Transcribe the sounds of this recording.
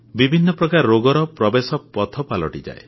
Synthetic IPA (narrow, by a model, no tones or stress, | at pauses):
bibʱinːɔpɾɔkaɾɾoɡɔɾɔpɾɔbesɔpɔt̪ʰɔpalɔ̰ʈid͡ʒa̰e